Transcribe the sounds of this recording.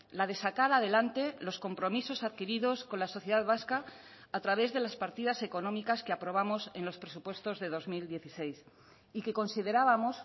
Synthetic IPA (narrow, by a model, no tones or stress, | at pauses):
laðe̞sakaɾað̞e̞lant̪e̞lo̞sko̞mpɾo̞miso̞saðkiɾiðo̞sko̞nlaso̞θjeðaðβaskaː | t̪ɾaβe̞zðe̞laspaɾt̪iðase̞ko̞nomikaskeapɾo̞β̞amo̞se̞nlo̞spɾe̞supwe̞st̪o̞zðe̞ð̞o̞zmild̪je̞θise̞js | ike̞ko̞nsið̞e̞ɾaβamo̞s